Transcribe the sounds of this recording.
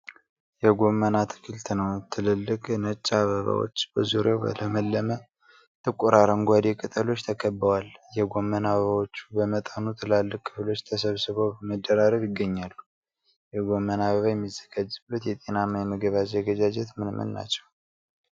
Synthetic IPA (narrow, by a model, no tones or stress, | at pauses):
jɛɡo̞mːənat̪ʰɨ̥kʰɨlt̪ʰɨnəwt̪ʰːɨlɨlːɨkʼnət͡ʃʼːaβəβa̰wo̰t͡ʃːbəzuɾjawbə̰ləməlːəmə | t̪ʰɨkʼuɾaɾəŋɡʷad̪ekʼɨt̪ʼəlo̞t͡ʃːt̪ʰəkʰəbːəwaljɛɡo̞mːənaβəβawo̞t͡ʃːubəmət̪ʼanut̪ʰɨlalːɨkkʰːɨflo̞t͡ʃːt̪ʰəsəβsɨβəwbməd̪ːəɾaɾəβjɪɡːəɲːalːu | jɛɡo̞mːənaβəβajɛmːizːəɡad͡ʒɨβlut̪jɛt̪ʼe̞namajɛməɡəβazəɡəd͡ʒad͡ʒɛt̪mɨnmɨ̰nːa̰t͡ʃːɛw